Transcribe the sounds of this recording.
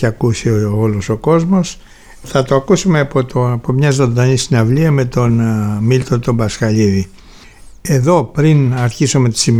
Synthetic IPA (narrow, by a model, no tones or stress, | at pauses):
ɐkusioolo̞so̞ko̞zmo̞s | θɐt̪oɐkusumeɐpot̪opomɲɐzo̞nd̪ɐnisinɐvliɐme̞t̪o̞nmilt̪ot̪o̞bɐskɐʎiði | e̞ðo̞pɾinɐɾçisome̞t̪i̥sim